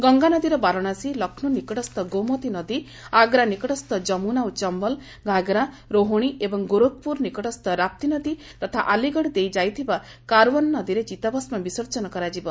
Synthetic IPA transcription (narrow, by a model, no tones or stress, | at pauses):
ɡɔŋɡanɔd̪iɾɔbaɾɔɽ̃asilɔkʰnunikɔʈɔst̪ɔɡomɔt̪inɔd̪i | aɡɾanikɔʈɔst̪ɔd͡ʒɔmunaut͡ʃɔmbɔl | ɡʱaɡɾa | ɾoɦoɽ̃iebɔŋɡuɾot̪̚puɾnikɔʈɔst̪ɔɾap̚t̪inɔd̪it̪ɔt̪ʰaʔaliɡɔɽid̪ejd͡ʒajt̪ʰiba | kaɾwɔnnɔd̪iɾed͡ʒit̪abɔsmabisɔɾt͡ʃɔnɔkɔɾad͡ʒibɔ